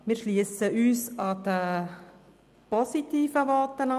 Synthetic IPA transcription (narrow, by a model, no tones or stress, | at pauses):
mɪːɾʃliəsəʔyːsɑd̪̥ə | pɔsit̪iːfəʋɔːt̪ːənɑ